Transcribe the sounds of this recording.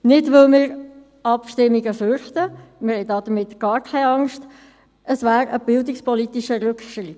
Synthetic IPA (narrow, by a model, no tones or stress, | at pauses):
nɪdʋɪlmɪːɾ | ɑpʃtɪmiɡəfʏɾχtəmɪɾhɛɪdɑːd̥̪əɾmɪt̪ɡ̥ɑːɾkʰaɪɑŋʃt | əsvæːɾəb̥ɪldɪkspɔlit̪iʃəɾʉkʃɾɪt